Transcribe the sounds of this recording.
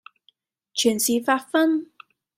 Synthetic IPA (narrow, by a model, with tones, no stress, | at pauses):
t͡ɕʰy˨˩nsiː˨faː˧tfɐ˥n